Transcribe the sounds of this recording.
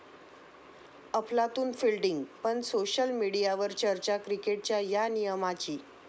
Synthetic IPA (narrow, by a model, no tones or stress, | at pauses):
əplat̪uːnfilɖiŋɡpəɳsoɕəlmiɽijaʋəɾt͡ɕəɾt͡ɕakɾikeʈ̚t͡ɕjajanijəmat͡ɕiː